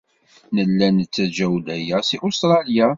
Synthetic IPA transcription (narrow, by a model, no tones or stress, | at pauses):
nəlːænət͡sːæd͡ʒæwlæjæsiʔʊst̪ɾˤɑlja